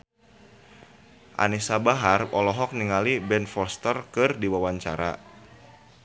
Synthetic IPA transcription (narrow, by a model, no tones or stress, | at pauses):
ʔa̰nisabaɦarɔlɔɦɔk̚niŋalibɛnfɔrst̪ərkɨrdiwawaɲt͡ʃa̰ɾa̰